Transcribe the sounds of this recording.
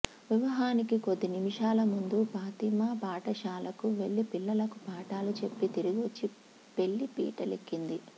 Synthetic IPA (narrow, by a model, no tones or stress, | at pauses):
ʋiʋɐɦaːnikiko̞d̪ːinimiʃaːlɐmund̪upaːt̪imɐpaːʈɐʃaːlɐkuʋe̞ɭːipilːɐlɐkupaːʈaːlut͡ʃe̞pːit̪iɾiɡʋot͡ʃːi | pe̞ɭːipḭːʈɐlekːind̪i